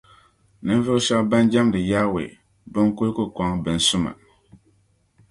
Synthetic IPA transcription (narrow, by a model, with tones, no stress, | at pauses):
nɨ˦n˦vɨ˦ʔʃa˦ba˦n˦d͡ʒa˦mdɨ˨jaː˦wḛ˨ | bɨ˦ŋ˦ku˦lkʊ˦kʷa˨˦ŋbɨ˨n˨sʊ˦ma̰˨